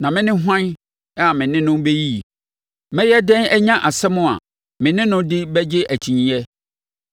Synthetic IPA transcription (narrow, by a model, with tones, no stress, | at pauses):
nã˨mɪ̃˦nɪ̃˦ɦʷã˦n | a˦˨mɪ̃˨nɪ̃˦nʊ̃˦mbe˦ji˦˨ | mɛ̃˦jɛ˦dɛ̃˦nɛ˦ɲã˦ʔa˨sɛ˦mʊ̃˦a̰˨ | mɪ̃˨nɪ̃˦nʊ̃˦dɪ˦bɛ˦d͡ʑɪ˦ʔæ˨t͡ɕʰi˨ɲĩ˨ɛ˦